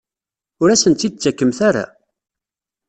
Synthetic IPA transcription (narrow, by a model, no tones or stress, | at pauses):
ʊɾæsənt̪ːid̪̚t͡sːækːəmθaɾa̰